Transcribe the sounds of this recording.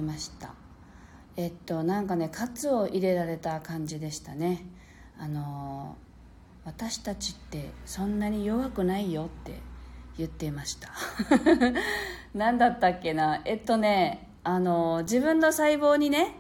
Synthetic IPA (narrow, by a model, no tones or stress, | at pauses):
maɕi̥t̪a̰ | e̞t̪ːo̞nãŋkane̞kʰat͡sɨo̞ʔiɾe̞ɾaɾe̞t̪akãɲ̟d͡ʑid̪e̞ɕi̥t̪ane̞ | ano̞ | βat̪aɕi̥t̪at͡ɕi̥t̪ːe̞sõ̞nːaɲ̟ijo̞βakɯ̟naijo̞t̪ːe̞̰jɯ̟t̪ːe̞maɕi̥t̪ḁ | nãnd̪at̪ːakːe̞naet̪ːo̞ne̞ | ano̞d͡ʑibɯ̟̃nːo̞saibo̞ːɲ̟ine̞